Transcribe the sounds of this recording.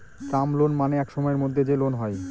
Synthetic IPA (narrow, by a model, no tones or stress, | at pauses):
kamlonmaneɛkʃɔmɔeɾmod̪ʱːed͡ʑelonɦɔe